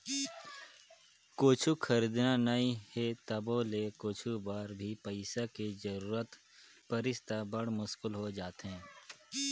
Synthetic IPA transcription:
koːt͡ʃʰukʰɐɾiːd̪nanaĩhet̪ɐboːlekoːt͡ʃʰubaːɾbʱipəɪsaked͡ʒɐɾuːɾət̪ | pɐɾɪst̪abɐɽ̤mʊʃkʊlɦod͡ʒaːt̪ɦɛ̃ː

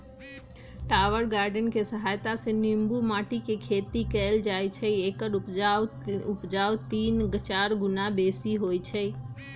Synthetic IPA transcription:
ʈaʋəɾɡaɾɖənkesəɦajt̪asẽnimbumaʈikekʰet̪ikɛld͡ʒajt͡ʃʰəekəɾupaupd͡ʒawt̪inɡət͡ʃaɾɡunabesiɦojt͡ʃʰəj

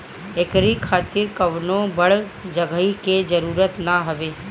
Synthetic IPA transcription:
eːkɾikʰaːt̪ɪɾkɐʋnõbəɽ | d͡ʒəɡəɦiked͡ʒəɾuːɾət̪naɦɐʋeː

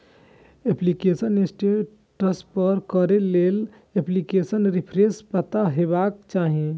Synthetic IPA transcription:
eplikesənesʈe | ʈəspəɾkəɾelel | eplikesənɾipʰɾespət̪aɦebaːkt͡ʃaːɦiẽ

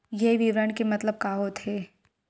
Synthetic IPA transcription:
jeʋiʋɾəɳkemɐt̪ləb̚kaːɦot̪ʰeː

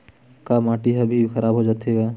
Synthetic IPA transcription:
kamaːʈiɦɐbʱixɐɾaːbɦod͡ʒaːt̪eɡaː

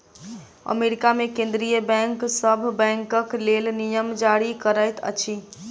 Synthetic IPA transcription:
ə̰meɾikamekẽnd̪ɾijəbɛ̃ŋksəbʱbɛ̃ŋkəklelnijəmd͡ʒaɾikəɾəjt̪ʰə̰t͡ʃʰi

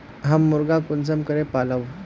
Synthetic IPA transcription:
ɦamːuɾɡakund͡zəmkəɾẽpaləʋ

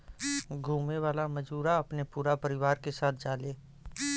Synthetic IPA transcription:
ɡʱuːmeʋaːlamɐd͡ʒuːɾaɐpnepuːɾapəɾɪʋaːɾkesaːt̪ʰd͡ʒaːleː

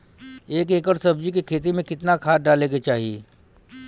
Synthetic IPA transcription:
eːkeːkəɾsɐbd͡ʒikekʰeːt̪̬imẽkɪt̪nakʰaːt̪̚ɖaːleːɡet͡ʃaːɦiḛː

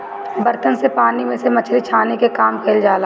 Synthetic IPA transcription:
bɐɾt̪ənsepaːnimẽsemɐt͡ʃʰɾit͡ʃʰaːnekekaːmkʰeːld͡ʒaːla

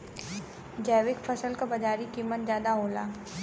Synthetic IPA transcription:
d͡ʒɛːʋɪkpʰəsəlkabɐd͡ʒaːɾikimːət̪̚zjaːd̪aɦoːlaː

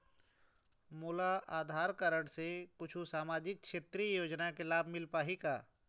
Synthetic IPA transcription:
muːlaaːd̪ʱaːɾkəɾəɽ̃sekʊt͡ʃʰusaːmaːd͡ʒɪk̚kʃeːt̪ɾijoːd͡ʒnakelaːbʱmɪlpaːɦikaː

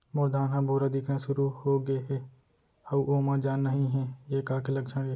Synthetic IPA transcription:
mʊɾd̪ʱaːnɦãbʱuɾad̪ɪkʰnaʃʊɾuhoːɡɐeɦɛː | hɐuʔoːmãd͡ʒaːnːɐɦĩɦɛːjeːkaːkelɐɡt͡ʃəɽe

